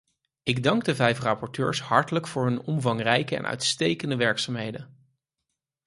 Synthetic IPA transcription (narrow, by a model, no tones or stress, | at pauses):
ɪɡdɑŋɡ̚dəvɛjfrɑpɔɹtø̰ːɹsɦɑɹtələkfʊːɹɦɵnɔmvɑŋrɛjkəɛ̰nʔœ̰ɥtstejkəndəʋɛɹksaːmɦejdən